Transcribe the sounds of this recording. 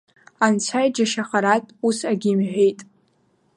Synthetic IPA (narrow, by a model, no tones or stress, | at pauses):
ant͡sʷʰajd͡ʒaʃaχaɾatʼusaɡʲimħʷᶣejtʼ